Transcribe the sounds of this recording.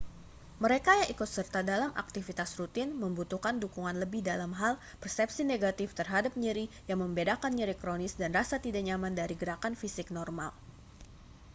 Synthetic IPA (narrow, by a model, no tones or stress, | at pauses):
məɾekajaŋʔikʊt̪̚sərt̪adalamʔa̰k̚t̪ifit̪asrut̪ɪnməmbut̪ukandukuŋanləbɪhdalamɦal | pərsɛp̚sineɡat̪ɪft̪ərɦadap̚ɲiɾi | jaŋməmbedakanɲiɾikɾonɪsdanrasat̪idaʔɲamandaɾiɡəɾakanfisɪk̚nɔrma̰l